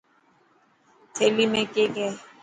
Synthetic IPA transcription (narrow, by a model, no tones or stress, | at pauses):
tʰelimekʼɪkɛ